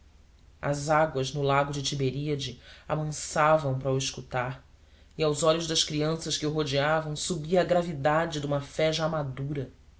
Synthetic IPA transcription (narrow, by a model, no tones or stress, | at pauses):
ɐ̰zaɡwɐznʊlaɡʊd͡ʒɪt͡ʃibeɾiɐd͡ʒɪamɐ̃savɐ̃w̃pɾɐwiʃkut̪aɾ | iawzɔʎʊʒd̪ɐʃkɾiɐ̃sɐʃkɪʊɦod͡ʒiavɐ̃w̃subiɐːɡɾavid̪ad͡ʒɪd̪ũmɐfɛʒɐːmad̪uɾɐ